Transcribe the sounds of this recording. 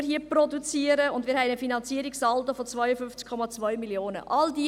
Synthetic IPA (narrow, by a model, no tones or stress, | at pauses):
ɾhiəprodut͡siəɾəʊndmɪːɾɦɛɪnəfinɑnt͡siːəɾiksɑltofɔt͡svœjəfʏnft͡skʰɔmɑt͡svœʏmiljoːnə̰ʔɑldi